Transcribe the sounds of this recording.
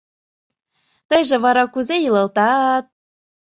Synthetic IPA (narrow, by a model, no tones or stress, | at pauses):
t̪əjʒĕβɑɾɑkuzejələ̆lt̪ɑt̪̚